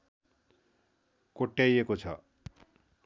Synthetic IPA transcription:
koʈːjajekot͡sʰʌ̰

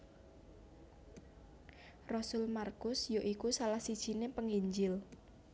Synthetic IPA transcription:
rɔsʊlmarkʊsjoʔikusalahsid̥ʒ̥i̤nepəŋiɲd͡ʒɪl

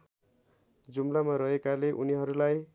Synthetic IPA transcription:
d͡zumlamaɾʌɦekaleʔuniɦʌɾulaj

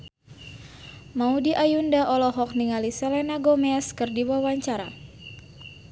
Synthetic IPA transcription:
maudiʔajundaʔɔlɔɦɔk̚niŋalisɛlɛnaɡomɛskɨrdiwawaɲt͡ʃaɾa

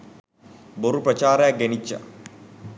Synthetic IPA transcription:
boɾuprɐt͡ɕaːɾɐjak̚ɡenit͡ʃːa̰

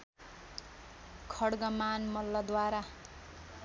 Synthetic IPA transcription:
kʰʌɽɡʌmanmʌlːʌd̪waɾa

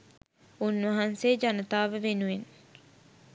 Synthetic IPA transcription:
unːʋɐɦɐnseːd͡ʒɐnɐt̪aːʋeʋenuen

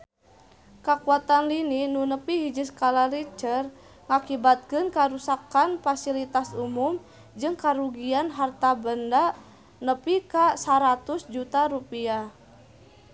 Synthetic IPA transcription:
kakuat̪anlininunəpiɦid͡ʒiskalarit͡ʃər | ŋakibat̪̚kɨnkaɾusakanfasilit̪asumum | d͡ʒɨŋkaɾuɡianɦart̪abənda | nəpikasaɾat̪ʊsd͡ʒut̪aɾupia

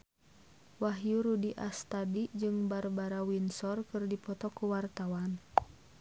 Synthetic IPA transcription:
waɦjuɾudiʔast̪adid͡ʒɨŋbarbaɾawinsɔrkɨrdipɔt̪ɔkuwart̪awan

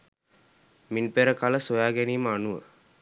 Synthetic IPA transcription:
minpeɾəkaləsojaːɡæniːməanuʋə̰

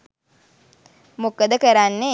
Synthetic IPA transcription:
mukəd̪əkəɾanːe

